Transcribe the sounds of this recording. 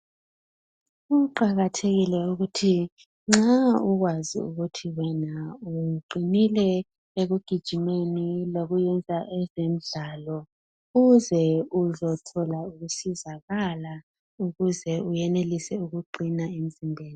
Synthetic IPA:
uǃaɣatʰeɣilɛuɣutʰi | ŋ͡ǁauɣwazḭṵɣutʰiwɛnauǃʱinilɛ | eɣuɡ̥ʱid̥ʒ̥ʱimeniloɣujɛnd͡zʱaʔɛzem̩ɮalɔ | uzɛuzɔtʰɔlauɣusizaɣala | uɣuzɛujɛnelisɛuɣuǃʱinaim̩zimbʱeːni

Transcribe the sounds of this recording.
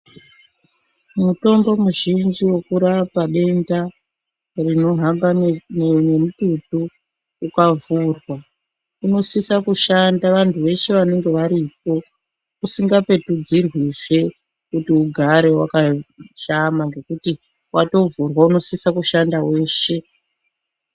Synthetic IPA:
muto̞mbo̞muʒind͡ʒiwe̞kuɾapaɗe̞nda | rino̞ɦamba | nemututuː | kavuːrwa | uno̞sisakuʃandaʋantʰuʋe̞ʃe̞ʋane̞ŋɡe̞ʋaɾip̚o̞ | usiŋɡape̞tud͡zirwiʐe̞ | kutiuɡʱaɾe̞wakaʃamaŋɡe̞kuti | wʔato̞vurwauno̞sisakuʃandawe̞ːʃe̞

